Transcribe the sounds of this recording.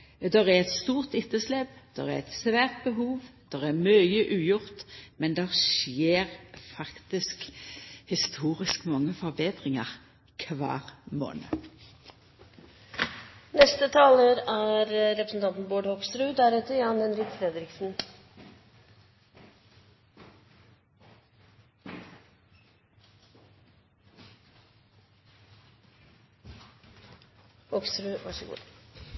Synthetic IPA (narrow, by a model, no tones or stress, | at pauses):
d̪ɛʁæʁɛt̪st̪uːʁt̪ɪt̪ːəslɛpd̪̥ɛʁæ̰ɛt̪sʋæːʁt̪̚bəɦuːʋd̪̥ɛʁæʁmœʏəʔʉːjʊʁt̪mɛnd̪ɛʁʃjeːʁfɑkt̪ɪskhɪst̪ʰuːʁɪskmɑŋːəfɔʁbeːd̪ʁɪŋɑʁ | kʰʋɑ̰ːʁmo̰ːnə | nɛst̪ət̪ʰɑːləɾæɾɾɛpɾəsn̩t̪ɑnt̪n̩boːɖhɔkst̪ɾʉːd̪æɾʉːt̪əjɑːnɛnɾɪk̪fɾɛd̪ɾɪksn̩ | hɔkst̪ɾʉːʋɑʂəɡṵː